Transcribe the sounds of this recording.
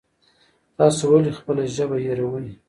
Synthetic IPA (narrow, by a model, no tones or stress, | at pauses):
t̪ɑsowalexpəlaʒəbajaɾawəli